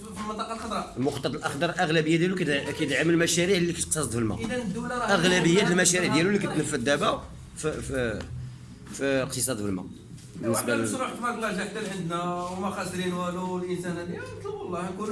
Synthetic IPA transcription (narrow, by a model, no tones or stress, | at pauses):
filmənt̪ˤɑqɑlxɑd̪ˤɾˤɑlmʊxt̪ˤːɑt̪ˤəlʔɑxd̪ɑɾˤlʔəɣlæbəjːad̪jæluk̪kæjət̪ʕaməlmæʃæɾiʕlːifiʃq̚sˤɑsˤd̪fəlmæ̰əd̪ænəd̪ːulaɾˤɑæɣlæbəjːæt̪əlmæʃæɾiʕd̪jælulːikæt̪nəfːæd̪ːæbæ | ff | fiqt̪əsˤɑd̪fəlmæ̰ | bənːəsbælʃɾuħt̪mækmæld̪æk̚t̪ælʕənd̪næwmæxæsɾinwæluəlʔənsænæd̪ilˤːɑhnkun